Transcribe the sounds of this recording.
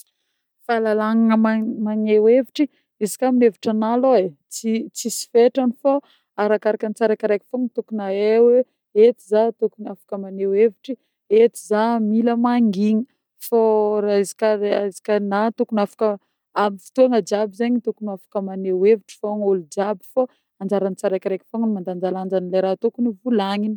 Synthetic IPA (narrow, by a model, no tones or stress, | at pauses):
falalaŋaŋəmamaneweviʈ͡ʂi | izi̥kʲamineviʈ͡ʂanaloet͡sit͡sisi̥feʈ͡ʂanifa | aɾakaɾakənit͡saɾakaɾajkʲi̥foŋit̪ukunaewe | et̪izat̪ukunafḁkəmaneweviʈ͡ʂi | et̪izamiləmaŋɡiŋə | faɾazi̥kaazi̥kʲənat̪ukunafḁkə | amifi̥t̪uaŋəd͡ʒabizaɲit̪ukunafḁkəmaneweviʈ͡ʂi̥faŋolud͡ʒabifa | and͡ʒaɾanit͡saɾajkʲɾejkʲi̥foŋinimand̪and͡zaland͡ʒanilajɾat̪ukunivulaŋini